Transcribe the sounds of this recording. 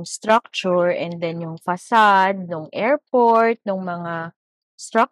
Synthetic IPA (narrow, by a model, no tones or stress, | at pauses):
ŋst̪ɾak̚t͡ʃʊɹɛnd̪ɛnjʊŋfɐsad̪̚nʊŋʔɛɹpoɹt̪̚nʊŋmɐŋa | st̪ɾak̚